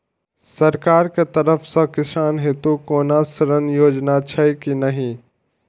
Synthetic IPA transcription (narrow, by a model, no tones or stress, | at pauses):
sɐɾkaːɾkʰet̪ɐɾəfsãkɪsaːnɦɪt̪ukoːnaːsɐɾənjoːd͡ʒnat͡ɕʰɐikinɐɦĩ